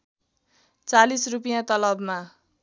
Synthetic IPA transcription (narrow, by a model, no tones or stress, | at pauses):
t͡salisrupijãt̪ʌlʌbma